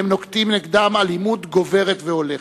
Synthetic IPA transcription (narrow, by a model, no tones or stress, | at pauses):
emnokt̪imniɡd̪amalimud̪ɡo̞ve̞ʁet̪veo̞le